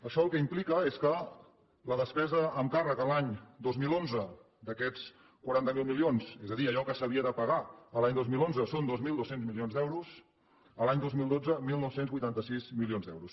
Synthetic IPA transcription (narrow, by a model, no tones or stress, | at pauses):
əʃɔəlˠkɛimplikəeskə | ləðəspɛzəːmkarəkəlaɲd̪ozmilˠonzə | d̪əkɛt͡s | kwaɾant̪əmilˠmilionsezəðiəʎɔkəsəβiəðəpəɣaəlaɲd̪ozmilˠonzəsond̪ozmilˠd̪osenzmilionzd̪ɛwɾus | əlaɲd̪ozmilˠd̪od͡zəmilˠnɔwsenzβujt̪ant̪əsizmilionzd̪ɛwɾus